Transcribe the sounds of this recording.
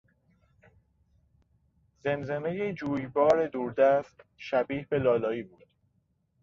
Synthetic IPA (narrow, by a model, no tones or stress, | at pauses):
ze̞nzenejed͡ʒuːjbɒːɾed̪uːɾd̪æst̪ʃæbiːhbe̞lɒːlɒːiːbuːd̪̥